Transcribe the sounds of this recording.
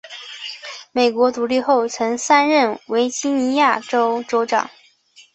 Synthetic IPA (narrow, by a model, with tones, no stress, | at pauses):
me˨˩ɪkwɔ˧˥t̪u˧˥li˥˧xo˥˩ʊt͡sʰɤ˧˥ŋsa˥nɻə˥˩nwe˧˥ɪt͡ɕi˥ni˧˥ja˥˩ʈ͡ʂo˥ʊʈ͡ʂo˥ʊʈ͡ʂɑ̰˨˩˦ŋ